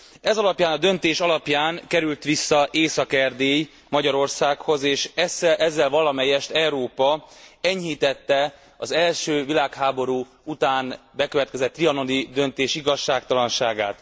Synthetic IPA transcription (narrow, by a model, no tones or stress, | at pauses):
ɛzɒlɒpjaːnɒd̪ø̞nt̪eːʃɒlɒpjaːŋkɛɾylt̪ʋisːɒʔeːsɒkɛrd̪eːj | mɒɟɒɾo̞rsaːkho̞zeːʃɛsɛʔɛzːɛlvɒlɒmɛjɛʃt̪ɛuɾoːpɒɛɲɦiːt̪ɛt̪ːɛ | ɒzɛlʃøːvilaːkhaːbo̞ɾuː | ut̪aːnbɛkøvɛt̪kɛzɛt̪ːriɒno̞d̪id̪ø̞nt̪eːʃiɡɒʃːaːkt̪ɒlɒnʃaːɡa̰ːt̪